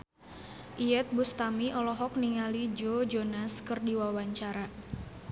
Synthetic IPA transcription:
ʔiɛt̪̚bust̪amiʔɔlɔɦɔk̚niŋalid͡ʒod͡ʒonaskɨrdiwawaɲt͡ʃaɾa

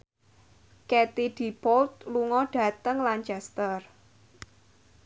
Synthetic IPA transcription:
kɛt̪iɖ̥i̤pɔlt̪̚luŋɔɖ̥ä̤t̪əŋlant͡ʃɛst̪ər

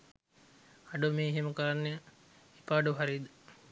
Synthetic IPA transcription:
aɖumeːɦeməkəɾanːe | ipaːɖuɦaɾid̪ə

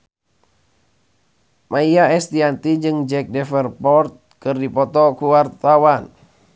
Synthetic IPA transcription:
mʔaiaɛst̪iant̪id͡ʒɨŋd͡ʒɛk̚dɛfɛrpɔrt̪̚kɨrdipɔt̪ɔkuwart̪awan

